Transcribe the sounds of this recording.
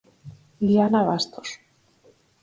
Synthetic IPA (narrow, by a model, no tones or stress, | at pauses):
lianaβast̪os